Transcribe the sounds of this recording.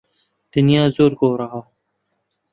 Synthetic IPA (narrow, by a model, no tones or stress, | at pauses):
d̪̥ɪnijãːzoːɾɡoːɾaɦaː